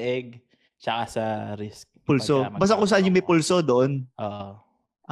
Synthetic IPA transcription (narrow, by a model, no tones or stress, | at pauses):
ʔɛɡ̚ | t͡ʃɐkasɐɾɪskpulsobaːs̬t̪ɐkos̬ɐʔanjʊŋmɐjpulso̞d̪oʔonʔoːʔo | ʔ